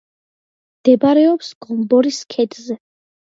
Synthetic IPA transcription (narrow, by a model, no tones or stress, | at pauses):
md̪̥ɛbaɾɛɔpsɡ̥ɔmbɔɾiskʰɛd̪zɛ